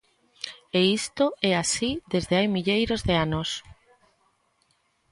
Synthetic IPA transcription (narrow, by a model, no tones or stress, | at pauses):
eist̪oɛasiðezðeajmiʎejɾozðeanos